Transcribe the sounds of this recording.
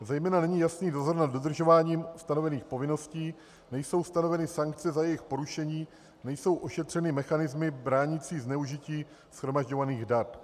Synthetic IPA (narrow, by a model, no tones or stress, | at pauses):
zɛjmɛːnanɛɲiːjasniːdo̞zo̞ɾnad̪dːo̞d̪r̩ʒo̞vaːɲiːmst̪ano̞vɛniːxpo̞vɪno̞sciː | nɛjso̞wst̪ano̞vɛnɪsaŋk̚t͡sɛzajɛjɪxpo̞ɾuʃɛɲiː | nɛjso̞wʔo̞ʃɛt̪r̝̥ɛnɪmɛxanɪzmɪbɾaːɲit͡siːznɛuʒɪciː | sxɾo̞maʒɟo̞vaniːɣdat̪